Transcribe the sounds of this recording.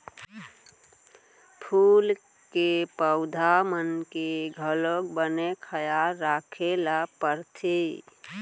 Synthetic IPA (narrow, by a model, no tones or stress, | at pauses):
pʰul | kepəʊd̪ʱamənkeɡʱəlok̚bənekʰəjalɾakʰelapəɾt̪ʰi